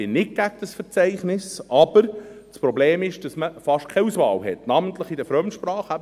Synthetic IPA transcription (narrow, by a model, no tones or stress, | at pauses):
ɪnɪt̚ɡ̥æɡ̚d̥əsfəɾt͡sɛɪχnɪsʔɑbəɾt͡spɾɔbleːmɪʃd̥ɑsməfɑʃtkʰɛusʋɑ̰ːlɦɛtnɑmənt̪ləχɪdəfɾœmʃprɑːχæ